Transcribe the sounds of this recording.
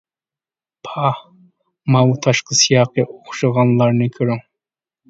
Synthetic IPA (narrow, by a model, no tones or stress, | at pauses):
pʰa | mawt̪ʰɑʃqɑsɪjɑːqeʔoχʃɑʁɑnlˠɑɾnɪkʰɪɾɪŋ